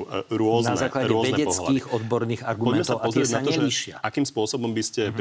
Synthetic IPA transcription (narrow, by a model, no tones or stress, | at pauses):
ɾʊɔznaɛzaːklaɾɛɔzɛnɛɛpt͡sɔɦlakiːɣɔd̪bɔɾniːɣaɾɡumɔɛmɛst̪ɔaʊaɔzt̪ɪɾɛɟnaɲɛiʃɪa̰akiːmspʊɔsɔbɔmbiscɛ